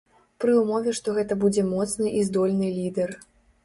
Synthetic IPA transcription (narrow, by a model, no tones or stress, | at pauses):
pɾɨumɔvʲɛʂt̪ɔɣɛt̪ɐbud͡zʲɛmɔt̪snɨʔizd̪ɔlʲnɨlʲid̪ɛr